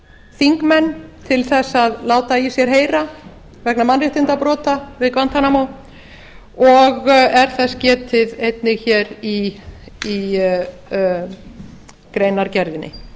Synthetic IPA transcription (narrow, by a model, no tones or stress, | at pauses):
θiŋkmɛnːt̪ʰɪlθɛsːaðlaːwt̪aisjɛɾ̥ɦeːjɾa | vɛknamanrɪht̪ɪnt̪apɾɔːt̪avɪðkvant̪anamow | ɔɣɛɾ̥θɛscɛːt̪ɪðejt̪nɪɣçɛːɾi | i | kɾeːjnaɾcɛɾðɪnʔɪ̰